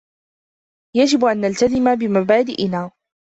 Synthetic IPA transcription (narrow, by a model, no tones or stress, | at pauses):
jad͡ʒɪbʔanːalt̪azɪmabɪmabaːd̪ɪ̰ʔɪnaː